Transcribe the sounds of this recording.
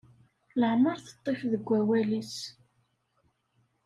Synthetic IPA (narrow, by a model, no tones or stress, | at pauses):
ləʕməɾθə̥t̪ˤːefðəɡʷːæwælis